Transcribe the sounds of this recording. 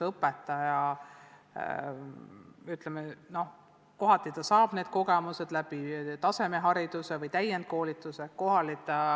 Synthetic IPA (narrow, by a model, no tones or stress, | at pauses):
ɤpːˑet̪ːˑɑjɑ | yt̪ˑlemeno̞h | ko̞ɦɑt̪ːˑit̪ɑsɑːb̥ne̞ːd̪̥ko̞ɡe̞muse̞d̪̥læb̥it̪ɑse̞me̞ɦɑɾid̪̥use̞vɤjt̪æjend̪̥̚ko̞ːlit̪ːˑuse̞ko̞ɦɑlit̪ɑ